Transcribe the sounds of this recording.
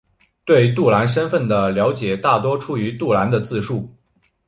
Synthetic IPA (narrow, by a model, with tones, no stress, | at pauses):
t̪we˥˧ɪt̪u˥˩la˧˥nʂ̬ə˥nfə˥˩nd̪ə˩ljɑ˧˥ʊt͡ɕjɛ˨˩t̪a˥˩t̪wɔ˥ʈ͡ʂʰu˥y˧˥t̪u˥˩la˧˥nd̪ə˧t͡sɹ̩˥˧ʂu˥˩